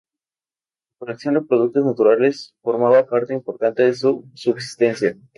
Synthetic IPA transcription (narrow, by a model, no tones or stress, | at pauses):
lakoleksjo̞nd̪e̞pɾo̞ðuk̚t̪o̞znat̪uɾale̞sfo̞ɾmaβapaɾt̪eimpo̞ɾt̪ant̪e̞ðesusubs̬i̥st̪e̞nsja